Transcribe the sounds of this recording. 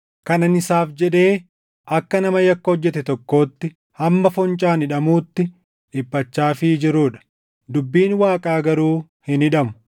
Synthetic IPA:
kɐnɐnɪsaːfd͡ʒɛᶑe̞ː | ʔɐkːɐnɐmɐjɐkːɐɔd͡ʒːɛt̪ɛt̪ɔkːo̞ːt̪ːɪ | hɐmːɐfɔnt͡ʃʼaːnɪᶑɐmuːt̪ːɪ | ᶑɪpːɐt͡ʃːaːfɪd͡ʒɪɾuːᶑɐ̥ | d̪ʊbːiːnwaːkʼaːɡɐɾuː | hɪnɪᶑɐmʊ̥

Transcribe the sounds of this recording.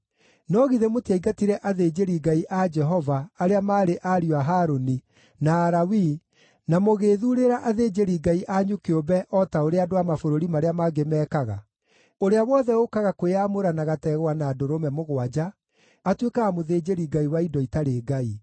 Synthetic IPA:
nɔɣiðemotiaiɡatiɾɛʔaðeːd͡ʒeɾiɡaiʔad͡ʒɛɦɔvaːɾeamaːɾeʔaɾiwaɦaːɾoni | naːɾawi | namoɣeːðuɾeɾaʔaðed͡ʒeɾiɡaiʔaɲukeobɛʔɔːtaoɾeadoamafoɾoɾimaɾeamaɡemɛːkaɣa̰ | oɾeawɔðɛokaɣakweamoɾanaɣatɛɣwanaːdoɾomɛmoɣwad͡ʒaː | twekaamoðeːd͡ʑeɾiɡaiwaidɔitaɾeːɡai

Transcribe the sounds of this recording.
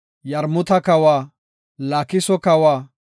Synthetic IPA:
jɐɾmʊt̪ɐkɐwaː | laːkɪsɔkɐwaː

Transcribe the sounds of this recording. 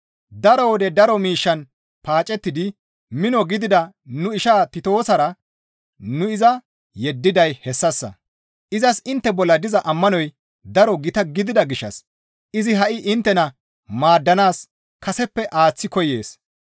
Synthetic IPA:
d̪ɐɾɔwɔd̪ɛd̪ɐɾɔmiːʃːɐn | paːt͡ʃʼɛt̪ːɪd̪ɪ | mɪnɔɡɪd̪ɪd̪ɐ | nʊɪʃaːt̪ɪt̪o̞ːsɐɾɐ | nʊɪzɐ | jɛd̪ːɪd̪ɐjhɛsːɐsːɐ̰ | ʔɪzɐsɪnt̪ːɛbɔlːɐd̪ɪzɐʔɐmːɐnɔj | d̪ɐɾɔɡɪt̪ɐɡɪd̪ɪd̪ɐɡɪʃːɐ̰s | ʔɪzɪɦɐʔɪʔɪnt̪ːɛnɐ | maːd̪ːɐnaːs | kɐsɛpːɛʔaːt͡sːɪkɔje̞̰ːs

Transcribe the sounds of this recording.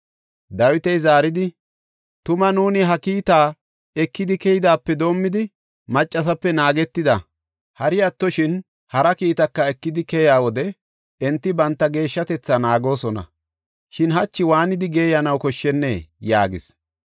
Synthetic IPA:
d̪ɐwɪt̪ɛjzaːɾɪd̪ɪ | t̪ʊmɐnuːnɪɦɐkiːt̪aː | ɛkːɪd̪ɪkɛjɪd̪aːpːɛd̪o̞ːmːɪd̪ɪ | mɐt͡ʃʼːɐs̬ɐpːɛnaːɡɛt̪ːɪd̪ɐ | hɐɾɪjɐt̪ːɔʃɪn | hɐɾɐkiːt̪ɐkːɐɛkːɪd̪ɪkɛjaːwɔd̪ɛ | ɛnt̪ːɪbɐnt̪ːɐɡe̞ːʃːɐt̪ɛt͡sːanaːɡo̞ːsɔnɐ̰ | ʃɪnɦɐt͡ʃːɪwaːnɪd̪ɪɡeːjɐnɐwkɔʃːɛnːḛːja̰ːɡɪ̰s

